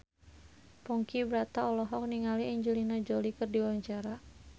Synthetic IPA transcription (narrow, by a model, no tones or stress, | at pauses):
pɔŋkibɾat̪aɔlɔɦɔk̚niŋaliɛɲd͡ʒulinad͡ʒolikɨrdiwaaɲt͡ʃaɾa